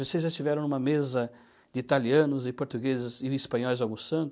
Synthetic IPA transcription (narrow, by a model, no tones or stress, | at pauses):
osezʒaɪst͡ʃ̪ivɛɾɐ̃w̪̃umɐmezɐ | d̪ɪit̪aliɐ̃nʊzɪpoɾt̪uɡezɪzɪispɐ̃ɲɔjzawɡʊst̪ɐ̃nt̪